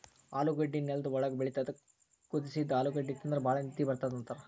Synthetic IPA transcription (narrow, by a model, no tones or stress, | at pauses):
aːluɡɐɖːinːelɐd̪uɔɭɐɡɐbeɭit̪ɐd̪ɐ | kːud̪isid̪aːluɡɐɖːit̪ːɐnd̪ɐɾebaːɭɐnit̪ːibɐɾt̪aːd̪ɐnt̪ɐɾɐ